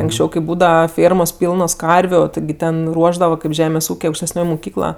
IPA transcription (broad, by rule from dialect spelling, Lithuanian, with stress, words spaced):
ɐŋksʲˈt͡ʃʲɛʊ kɐɪ ˈbuːdɐʋɐ ˈfʲeːrmoːs ˈpʲiːlˠnoːs ˈkɐrʲʋʲʊ ˈtʲɪɡʲɪ ˈtʲɛn ˈruɔʒdɐʋɐ kɐɪp ˈʒʲæːmʲeːs ˈuːkʲeː ɐʊkʃʲtʲɛsʲˈnʲoːj mʊˈkʲiːklˠɐ